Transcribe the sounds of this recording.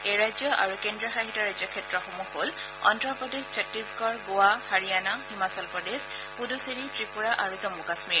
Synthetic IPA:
ejɹajzjɔʔa̰ɹukendɹiɔxaɦitɔɹajzjɔkʰɛtɹɔxomuxol | ɔ̰ntɹɔɹpɹɔdezt͡ʃʰɔtːisɡɔɹɡoahaɹijanahimasɔlpɹɔdezpudusiɹitɹipuɹaʔaɹuzɔmːukasmiɹ

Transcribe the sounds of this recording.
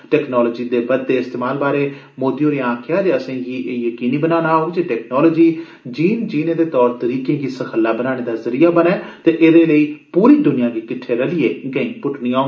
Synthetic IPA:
ʈɛːknɔːlɔːd͡ʒiːd̪eːbəd̪ːeːɪst̪eːmaːlbaːɾeː | moːd̪ioːɾeːãːkʰɪjaːd͡ʒeəsẽːɦiːʔeːjəkiːniːbənaːnaːɦoːɡd͡ʒeːʈɛːknɔːlɔːd͡ʒiː | d͡ʒiːnd͡ʒiːnẽːd̪eːt̪ɔːɾt̪əɾiːkẽːɡiːsəkʰəlːaːbənaːɽ̃eːd̪aːzəɾijaːbənɛːt̪eːʔeːd̪eːləiːpuːɾiːd̪ʊnɪjãːɡiːkɪʈʰːeːɾəlɪeːɡəĩːpʊʈniːãː

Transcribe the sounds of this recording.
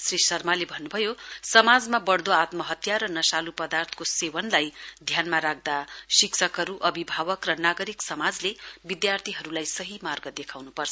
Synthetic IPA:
srisʌrmalebʱʌnːubʱʌjosʌmad͡zmabʌɽd̪oat̪mʌɦʌt̪jaɾʌnʌsalupʌd̪art̪ʰkosewʌnlajd̪ʱjanmaɾak̚d̪asiksʰʌkɦʌɾuʔʌbʱibʱawʌkrʌnaɡʌɾiksʌmad͡zlebid̪jart̪ʰiɦʌɾulajsʌɦimarɡʌd̪ekʰawnupʌrt͡sʰʌʌ

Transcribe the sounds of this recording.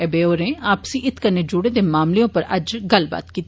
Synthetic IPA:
ɛbeːoːɾẽːaːpsĩːʔɪt̪kəneːd͡ʒʊɽeːd̪eːmaːmlejõːpəɾəd͡ʒɡəlba̰ːt̪kiːt̪ː

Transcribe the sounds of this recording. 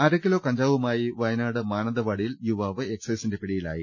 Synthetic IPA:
ɐɾɐkːilo̞ːkɐɲd͡ʑaːʋumaːjiʋɐjnaːɽɨmaːnɐðɐʋɐɽijiljuʋaːʋɨe̞kseːsinde̞piɽijila̰ːji

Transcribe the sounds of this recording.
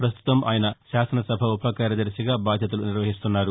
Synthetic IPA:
pɾɐst̪ʰu̥t̪ɐmʔaːjɐnɐʃaːsɐnɐsɐbʱɐupɐkaːɾjɐd̪ɐɾsiɡaːbaːd̪ʱjɐt̪̬ɐluniɾʋɐɦist̪unːaːɾu

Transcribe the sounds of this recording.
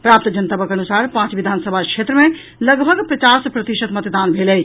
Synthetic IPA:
pɾaːp̚t̪d͡ʒənt̪abəkɐnusaːɾpãːt͡ʃʋid̪ʱaːnsəbʱakʃeːt̪ɾəmẽ | ləɡbʱəɡpɾɐt͡ʃaːspɾɐt̪iʃət̪mɐt̪d̪aːnbʱeːleː

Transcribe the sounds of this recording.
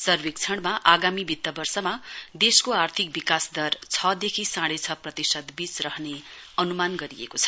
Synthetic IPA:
sʌrwik̚t͡sʰʌɽ̃maʔaɡamibʱit̪ːʌbʌrsʌmad̪eskoart̪ʰik̚bikasd̪ʌrt͡sʰʌd̪ekʰisãɽet͡sʰʌprʌt̪isʌd̪bit͡srʌɦneʌnumanɡʌɾiḛkot͡sʰʌ̥

